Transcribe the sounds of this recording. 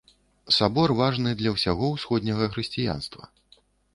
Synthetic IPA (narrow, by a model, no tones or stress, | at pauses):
sabɔrvaʐnɨd̪lʲɐwsʲaɣɔwsxɔd̪ʲnʲɐɣɐxɾɨsʲt͡sʲija̰nst̪vɐ̰